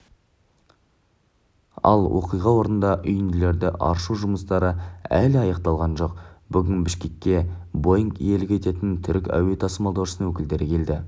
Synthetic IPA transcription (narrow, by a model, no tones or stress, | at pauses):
ɑ̰lˠwo̰qijʁɑwo̞ɾənd̪ɑʔʏjɪnd̪ɪle̞ɾd̪ɪʔɑ̰ɾʃuʒʊməst̪ɑɾəælɪɑjɑq̚t̪ɑlˠʁɑnʒo̞qb̥ʏɡʲɪnbɪʃkʲe̞kʲːe̞bo̞jŋkḭje̞lɪkʲet̪e̞t̪ɪnt̪ʰʏɾkʲæ̰we̞t̪ʰɑsəmɑlˠd̪ɑwʃəsənwɵkʲɪld̪e̞ɾɪkʲʰe̞ld̪ɪ